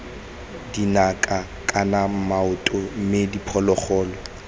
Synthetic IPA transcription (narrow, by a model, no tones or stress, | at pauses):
dinakʼa | kʼanam̩maʊtʼɔm̩medipʰɔlɔχɔːlɔ